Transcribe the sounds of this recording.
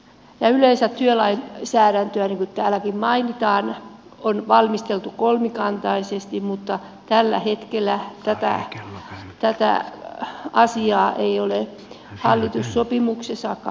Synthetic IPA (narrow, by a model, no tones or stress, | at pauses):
jɑyleisættyølɑinsæːɾænt̪øæniŋkutt̪æːlækimmɑinit̪ɑːn | onʋɑlmist̪elt̪ukolmikɑnt̪ɑisest̪immut̪ːɑ | t̪ælːæ̰het̪kelːˑæt̪æt̪æ̰ | t̪æt̪æ̰ | ɑsiɑːʔeiole | hɑlːit̪usːopimuksesɑkɑ